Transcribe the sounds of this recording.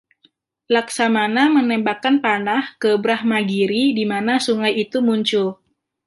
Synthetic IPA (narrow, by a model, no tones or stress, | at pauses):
laksamanamənɛmbakanpanahkəbɾahmaɡiɾidimanasuŋajit̪umuɲt͡ʃʊl